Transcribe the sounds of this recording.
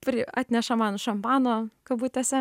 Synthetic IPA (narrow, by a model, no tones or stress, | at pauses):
pʲɾʲɪɑːt̪ʲnʲɛʃɐmɑːnʃɐmpɑːnoːkɐbuːt̪t̪ʲɛsʲɛ